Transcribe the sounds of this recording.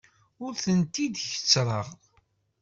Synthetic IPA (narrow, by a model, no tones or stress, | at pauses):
ʊɾθənt̪id̪çə̥t͡sːɾˤəʁ